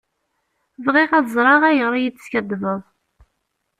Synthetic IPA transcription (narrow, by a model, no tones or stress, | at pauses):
vʁiʁæzˤɾˤɑʁæjəʁɾˤjit͡sːə̥skæd̪vəðˤ